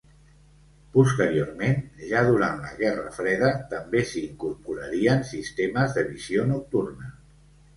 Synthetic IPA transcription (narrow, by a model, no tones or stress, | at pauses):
pust̪əɾioɾmenʒaðuɾant̪lə̰ɣɛrə̰fɾɛðət̪əmbesiːŋkuɾpuɾəɾiənsist̪eməzðəβizionuk̚t̪urnə